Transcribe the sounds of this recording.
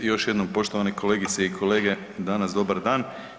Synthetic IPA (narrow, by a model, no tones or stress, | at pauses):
jo̞ʃje̞d̪no̞mpo̞ʃt̪oʋanekʰo̞leːɡit̪seikʰoleːɡe̞ | d̪anasd̪o̞baɾd̪aːn